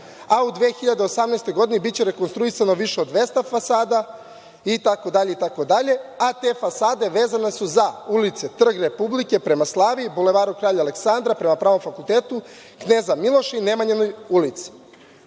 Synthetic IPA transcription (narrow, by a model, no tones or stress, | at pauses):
aud̪ʋeːxiʎad̪eosamneːst̪ojɡo̞d̪inebit̚t͡ɕeɾe̞konst̪ɾuisano̞ʋiʃeo̞d̪ʋeːst̪afasaːd̪a | it̪akod̪aʎe̞it̪ako̞d̪aʎe̞at̪e̞fasaːd̪e̞ʋe̞ːzane̞suzaulit̪set̪r̩ɡɾe̞publike̞pɾe̞maslˠaːʋiːbule̞ʋaːɾukɾaːʎaːle̞ksand̪ɾapɾe̞mapɾaːʋo̞mfakulˠt̪e̞ːt̪u | kneːzamilˠo̞ʃine̞maɲenojulit̪si̥